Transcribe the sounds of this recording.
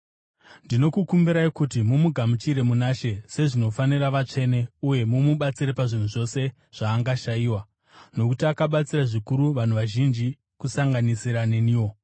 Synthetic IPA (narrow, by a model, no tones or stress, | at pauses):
ndino̞kukumbiɾaikutimumuɡʱamut͡ʃiɾe̞munaʃe̞se̞ʐino̞faniɾaʋat͡ʂe̞ne̞uje̞mumuɓat͡siɾepaʐin̤uʐo̞se̞ | ʐ̥aːŋɡaʃajiːwa | no̞kutiakaɓat͡siraʐikuɾuʋan̤uʋaʒind͡ʒi | kusaŋɡanisiɾane̞niːwo̞